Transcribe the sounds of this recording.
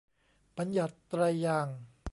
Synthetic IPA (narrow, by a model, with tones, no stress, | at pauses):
ba˧nja˨˩t̪ːɾa˧jːaː˧˩ŋ